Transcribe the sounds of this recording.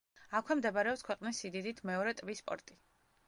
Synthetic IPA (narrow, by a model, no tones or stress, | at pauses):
akʰwɛmd̪ɛbaɾɛɔpskʰwɛqʼnisid̪id̪it̪ʰmɛɔɾɛt̪ʼbispʼɔ̰ɾt̪ʼi